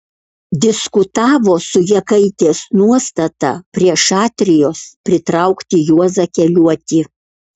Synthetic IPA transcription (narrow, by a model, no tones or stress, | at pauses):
d̪ʲɪskʊt̪ɑːʋoːsʊjɛkɐɪt̪ʲeːsnuɔst̪ɐt̪ɑ̰pʲɾʲiɛʃɑːt̪ʲɾʲɪjoːspʲɾʲɪt̪ɾɐʊkt̪ʲɪjuɔzɐkʲɛlʲuɔt̪ʲɪ